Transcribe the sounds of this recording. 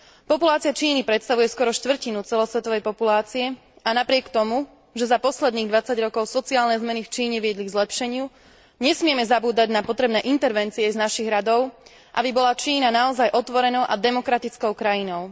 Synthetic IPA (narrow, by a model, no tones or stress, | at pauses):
pɔpulaːt͡siat͡ʃiːnipɾɛt̪st̪aʋujɛskwɔɾɔʃt̪ʋr̩cinut͡sɛlɔsʋɛt̪ɔʋɛjpɔpulaːt͡siɛ | anapɾɪɛkt̪ɔmu | ʒɛzapɔslɛd̪niːɣd̪ʋat͡saɟɾɔkɔʊsɔt͡siaːlnɛzmɛnift͡ʃiːɲɛʋɪɛd̪liɡzlɛpʃɛɲɪu | ɲɛsmɪɛmɛzabuːd̪aɟnapɔt̪ɾɛbnɛʔint̪ɛɾʋɛnt͡siɛznaʃiɣɾad̪ɔʊ | ʔa̰bibɔlat͡ʃiːnanaɔzajʔɔt̪ʋɔɾɛnɔʊʔad̪ɛmɔkɾat̪it͡skɔʊkɾajinɔʊ